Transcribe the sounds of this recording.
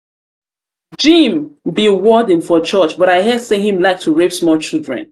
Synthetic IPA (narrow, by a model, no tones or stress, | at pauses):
d͡ʒĩmbiwɔdĩnfɔt͡ʃɜt͡ʃbʌɾaɪɦɛdseɦĩmlaɪk̚tʰuɹepsmɔlt͡ʃildɹɛ̰̃n